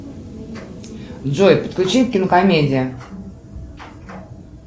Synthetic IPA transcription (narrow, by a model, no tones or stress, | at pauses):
d̪d͡zojpət̪̚klʲut͡ɕit̪̚kʲɪnəkamʲed͡zʲɪjə